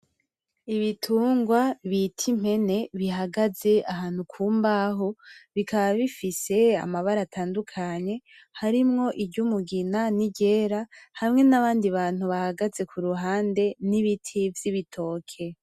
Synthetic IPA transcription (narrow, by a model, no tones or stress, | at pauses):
iβitʰuːŋɡwaβitʰim̥he̞ne̞βiɦaɡaze̞ʔaɦaːn̥hukʰuːmbaɦo̞βikʰaβaβifise̞a̰maβaɾatʰaːndukʰaɲe̞ | haɾimŋo̞ʔiɟumuɡinaniɟe̞ːɾahamŋe̞naβaːndiβaːnhuβahaɡaze̞kʰuɾuɦaːnde̞niβitʰivjiβitʰo̞ːkʰe̞